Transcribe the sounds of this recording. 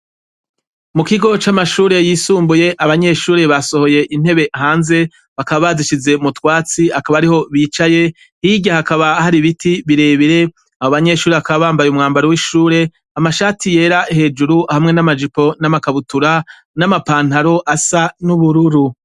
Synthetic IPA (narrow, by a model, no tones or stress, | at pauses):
mukiɡo̞t͡ʃamaʃuːɾe̞jiːsuːmbuje̞ʔaβaɲe̞ʃuːɾe̞βaso̞ho̞je̞ʔin̥he̞βe̞ɦaːnze̞ | βakaβaβaziʃize̞mutwaːt͡siakaβaɾiho̞βiːt͡ʃaje̞ | hiɟahakaβahaɾiβitiβiɾe̞ːβiɾe̞ | ahoβaɲe̞ʃuːɾeβakaβaβaːmbajumŋaːmbaɾowiʃuːɾe̞ | amaʃaːtije̞ːɾahe̞ːd͡ʒuɾuhamŋe̞namad͡ʒipo̞namakaβutuɾa | namapaːn̥haɾo̞ʔasanuβuɾuɾu